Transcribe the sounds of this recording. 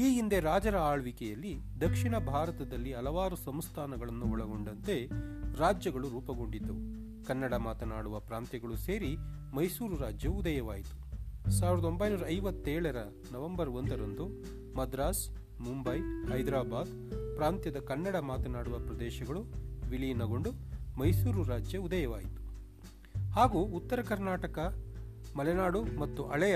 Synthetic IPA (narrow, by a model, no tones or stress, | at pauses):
iːɡind̪eɾaːd͡ʒɐɾɐaːɭʋikɛjɐlːid̪ɐkʂiɳɐbʱaːɾɐt̪ɐd̪ɐlːiɐlɐʋaːɾusɐmst̪ʰaːnɐɡɐɭɐnːuɔɭɐɡo̞ɳɖɐnt̪e̞ɾaːd͡ʒjɐɡɐɭuɾuːpɐɡo̞ɳɖid̪ːu | kɐnːɐɽɐmaːt̪ɐnaːɽuʋɐpɾaːnt̪jɐɡɐɭuse̞ːɾi | mɐjsuːɾuɾaːd͡ʒjɐud̪ɐjɐʋaːjit̪u̥saːʋiɾɐd̪ɐo̞mbɐjnuːɾɐːjʋɐt̪ːɛːɭɐɾɐ | nɐʋɐmbɐɾo̞nd̪ɐɾɐnd̪u | mɐd̪ɾaːs | mumbɐjhɐjd̪ɾaːbaːd̪ | pɾaːnt̪jɐd̪ɐkɐnːɐɽɐmaːt̪ɐnaːɽuʋɐpɾɐd̪ɛːʃɐɡɐɭuʋiɭijnɐɡo̞ɳɖumɐjsuːɾuɾaːd͡ʒjɐud̪ɐjɐʋa̰ːjit̪u̥ | haːɡuːt̪ːɐɾɐkɐɾnaːʈɐkɐmɐlɛnaːɽumɐt̪ːuʔɐɭɛjɐ